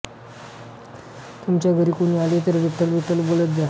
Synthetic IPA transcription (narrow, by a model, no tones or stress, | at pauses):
t̪umt͡ɕjaɡʱəɾikunialet̪əɾʋiʈ̪əlʋiʈ̪əlbolət̪̚d̪a